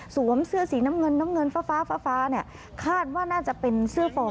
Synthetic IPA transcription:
su˩˦əmsɯ˥˩ɐsiː˩˦naː˦˥mŋɤ˧nːaː˦˥mŋɤ˧nfaː˧˥faː˦˥faː˧˥faː˦˥ni˦˥˩ɐ | kʰaː˥˩t̪̚waː˥˩naː˥˩t͡ɕa˨˩pe˧nsɯ˥˩ɐfɔː˧

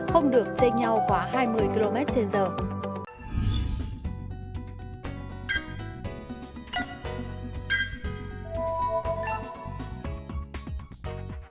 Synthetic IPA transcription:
xə˧wŋ͡mɗɨ˨˩ək̚t͡ɕe˧ŋɲa˧wxwaː˨˩˦ɦaː˧jmɨ˧əjki˧lo˧mɛ˦˥t̚t͡ɕe˧nzəː˨˩

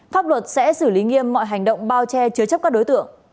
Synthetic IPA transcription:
faː˦˥p̚lwə˨˩t̚sɛ̰˧˥sɨ˧˩li˨˦ŋi˧əmːɔ̰˧˨jɦa˨˩jŋ̟ɗə̰˧˨wŋ͡mɓaː˧wt͡ɕɛ˧t͡ɕɨ˨˦t͡ɕə˦˥p̚kaː˦˥kɗo˨˦jt̪ɨ̰˧˨əŋ

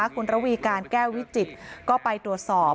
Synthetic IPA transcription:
a˦˥kʰu˧nɾa˦˥wiː˧kaː˧nkɛː˥˩wi˦˥t̪̚t͡ɕi˨˩t̪̚kɔː˥˩pa˧jt̪ɾu˨˩ət̪̚sɔː˨˩

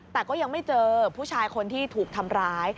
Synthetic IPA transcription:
t̪ɛː˨˩kɔː˥˩ja˧ŋma˥˩jt͡ɕɤː˧pʰuː˥˩t͡ɕʰaː˧jkʰo˧nt̪ʰiː˥˩t̪ʰuː˨˩k̚t̪ʰa˧mɾaː˦˥j

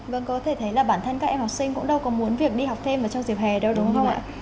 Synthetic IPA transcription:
və̰˧˨nkɔ˨˦t̪ʰe˧˩t̪ʰə˨˦jlaː˨˩ɓaː˧˩nt̪ʰə˧jŋ̟kaː˦˥k̚ʔɛ˧mha˨˩wk͡p̚sï˧ŋ̟kʊ̰˧˥ŋ͡mɗə˧wkɔ˨˦mu˨˦ənvi˨˩ək̚ɗi˧ha˨˩wk͡p̚t̪ʰe˧mʔaː˨˩t͡ɕɔ˧wŋ͡mzi˨˩əp̚hɛ˨˩ɗə˧wɗʊ˨˦ŋ͡mxwŋ͡mʔa̰ː˧˨

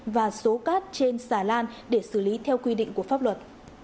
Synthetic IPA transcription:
vaː˨˩so˨˦kaː˦˥t̚t͡ɕe˧nsaː˧˩laː˧nɗe˧˩sɨ˧˩li˨˦t̪ʰɛ˧wkwi˧ɗḭ˧˨ŋ̟ku˧˩əfa˦˥p̚lwə˨˩t̚

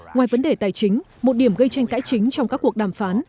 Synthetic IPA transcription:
ŋwaː˨˩jvə˨˦nɗe˧˨˩t̪aː˨˩jt͡ɕï˨˦ŋ̟ | mo˨˩t̚ɗi˧˩əmɣə˧jt͡ɕa˧jŋ̟ka̰ː˧˥jt͡ɕï˨˦ŋ̟t͡ɕɔ˧wŋ͡mkaː˦˥kːu˨˩ək̚ɗaː˧˩mfaː˨˦n

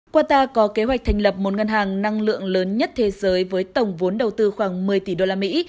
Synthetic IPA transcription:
kwaː˧t̪aː˧kɔ˨˦ke˨˦ɦwa˨˩k̪̚ʰa˨˩jŋ̟lə˨˩p̚mo˨˩t̚ŋə˧nɦaː˨˩ŋna˧ŋlɨ̰˧˨əŋləː˨˦nɲə˦˥t̚t̪ʰe˨˦zəː˨˦jvəː˨˦jt̪ə˨˩wŋ͡mvo˨˦nɗə˨˩wt̪ɨ˧xwaː˧˩ŋmɨ˨˩əjt̪i˧˩ɗo˧laː˧mḭ˧˥

